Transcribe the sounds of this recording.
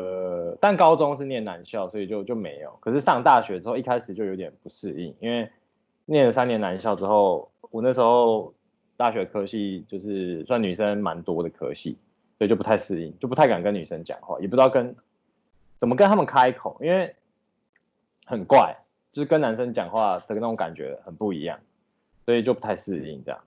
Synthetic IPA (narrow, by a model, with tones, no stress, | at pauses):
ə˨˩t̪a˥˨nkɑ˥ʊt͡sɔ˦˥ŋʂ̬ɻ̩˥˧njɛ˥˨˩nːa˧˦nɕjɑ˥˩ʊswɔ˧˥i˨˩t͡ɕjo˥˧ʊt͡ɕjo˥˩ʊme˧˥ɪjo̰˨˩ʊkʰɤ˨˩ʂɻ̩˥˧ʂɑ˥˧ŋt̪a˥˩ɕɥɛ˧˥ɻ̩˥xʊi˥˩kʰa˥ɪʂɻ̩˨˩t͡ɕjo˥˩jo˧˥t̪ʲjɛ˨˩npu˧˦ʂ̩˥˧ḭ˥˩ŋi˥nwe˥˩ɪ | njɛ˥˩nlə˨˩sa˥˦njɛ˧˦na˧˦nɕjɑ˥˩ʊʈ͡ʂɻ̩˥xo˥˩ʊwɔ˨˩nə˥˩ʂɻ̩˧˥xo˥˧ʊ | t̪a˥˩ɕɥɛ˧˥d̪ə˨kʰɤ˦ɕi˥˧t͡ɕjo˥˧ʊʂɻ̩˥˩swa˥˩ny˨˩ʂə˦ŋma˧˦nt̪wɔ˥d̪ə˨kʰɤ̰˥ɕḭ˥˩ | swɔ˧˥i˨t͡ɕo˥˩pu˧t̪ʰa˥˧ɪsɹ̩˥˧ḭ˥˩ŋt͡ɕjo˥˩pu˧t̪ʰka˨˩nkə˦ny˨˩ʂə˦nt͡ɕjɑ̰˨˩ŋxwa̰˥˩˨jɛ˨˩pu˧˦˥ɑ˥˩kə˦n | t͡sə˨˩mə˩kə˦nt̪ʰa˥mə˨nkʰa˦ɪkʰo˨˩ʊʔi˥nwe˥˩ɪ | xə˨˩nkwa˥˩ɪ | t͡ɕjo˥˧ʊʂɻ̩˥˩kə˦na˧˦nʂə˥ŋt͡ɕjɑ˨˩ŋxwa˥˩t̪ʰə˧˥ɡə˧n˥˩ɔ˥ka̰˨˩nt͡ɕɥɛ̰˧˥˧xə˨˩npu˥˩ḭ˧jɑ̰˥˩ŋ | swɔ˧˥i˨˩t͡ɕjo˥˩pu˧˩t̪ʰa˥˧ɪsɹ̩˥˧ḭ˥˩ŋʈ͡ʂjɑ̰˨˩ŋ